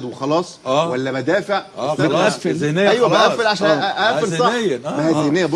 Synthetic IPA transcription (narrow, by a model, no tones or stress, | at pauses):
d̪wexɑlɑːsˤæwælːæbæd̪æːfeʕsææfeenejæjwæbæʔæfːeɾʕaʃænʔæʔæːfeɾsˤɑejːmæhæzehnejːæb